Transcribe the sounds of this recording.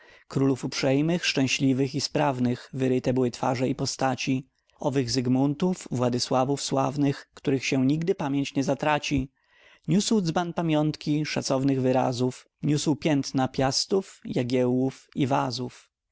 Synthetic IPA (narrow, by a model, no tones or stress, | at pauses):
kɾulufupʂɛjmɘxʂt͡ʂɛ̃w̃ɕlʲivɘxispɾavnɘxvɘɾɘt̪ɛbɘwɘt̪fa̰ʐɛipɔst̪at͡ɕi | ɔvɘɣzɘɡmunt̪ufvwad̪ɘswavufswa̰vnɘxkt̪uɾɘxɕɛɲiɡd̪ɘpamʲjeɲt͡ɕɲɛzat̪ɾat͡ɕi | ɲuswd̪zbanpamʲjɔnt̪kʲiʂa̰t̪sɔvnɘɣvɘɾa̰zuf | ɲuswpʲjɛnt̪napʲjast̪ufjaɡʲɛwufivazuf